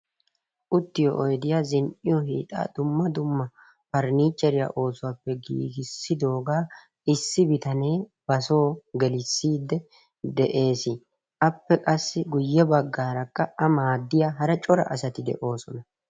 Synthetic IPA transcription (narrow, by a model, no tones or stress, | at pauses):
ʔʊt̪ːɪjɔ̰ʔɔjd̪ɪjaːzɪnʔɪjɔɦḭːt̪ʼa̰ːd̪ʊmːɐd̪ʊmːɐ | pɐɾniːt͡ʃʼːɛɾɪja̰ːʔo̞ːsʊwaːpːɛɡḭːɡɪsːɪd̪o̞ːɡaː | ɪsːɪbɪt̪ɐne̞ːb̥ɐso̞ːɡɛlɪsːiːd̪ːɛ | d̪ɛʔe̞ːsɪ | ʔɐpːɛkʼɐsːɪɡʊjːɛbɐɡːaːɾɐkːɐʔɐmaːd̪ːɪjaːɦɐɾɐt͡ʃʼɔɾɐ̰ʔɐsɐt̪ɪd̪ɛ̰ʔo̞ːsɔnɐ